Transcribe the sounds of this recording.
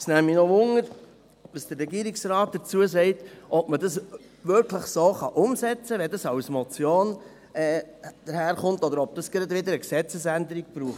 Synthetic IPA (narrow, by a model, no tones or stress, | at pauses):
snæminɔʋʊŋəɾ | ʋɑsd̥əɾːɛɡiːɾiksɾɑːt̚d̪̥əɾt͡suəsɛɪtʔɔbmədɑs | ʋʏɾkʰləχsoːχɑʔʊmsɛt͡səʋɛdɑsɑwsmɔt͡sjoːn | ɛːd̥əɾhæːɾχʊntɔd̪əɾɔb̥̚d̥ɑsɡ̥ɾɑdʋɪd̪əɾəksɛt͡səsænd̪əɾiɡ̥̚b̥ɾuːχt